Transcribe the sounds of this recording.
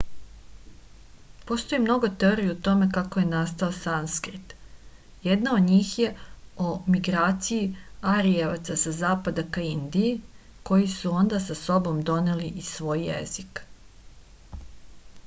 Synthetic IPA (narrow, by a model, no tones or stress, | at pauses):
po̞st̪o̞jimno̞ɡot̪e̞oːɾijeut̪o̞me̞kako̞je̞nast̪aosanskɾit̪ | jed̪nao̞d̪ɲiːxje̞omiɡɾaːt̪sijiaɾijeʋa̰t̪sasazaːpad̪akaind̪ije | ko̞jisuo̞nd̪asaso̞bo̞md̪o̞neliʔisʋo̞ːjːḛzik